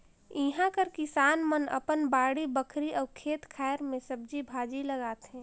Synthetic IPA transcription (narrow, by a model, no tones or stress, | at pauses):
iɦãkəɾkɪsaːnmənɐ̰pənbaːɽibəkʰɾiʔɔːkʰeːt̪kʰɛːɾmẽsəb̚d͡ʒibʱaːd͡ʒiləɡaːt̪ɦɛ̃ː